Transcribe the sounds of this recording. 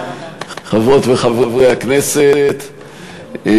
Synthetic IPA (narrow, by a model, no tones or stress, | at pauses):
χavʁot̪veχavʁavʁejakneset̪